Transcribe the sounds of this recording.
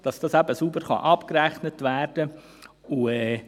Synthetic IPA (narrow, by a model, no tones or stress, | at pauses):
d̥ɑsd̥ɑsæbəsubəɾχɑ̰ʔɑpkɾæχnətʋæːɾd̥ə | uɛː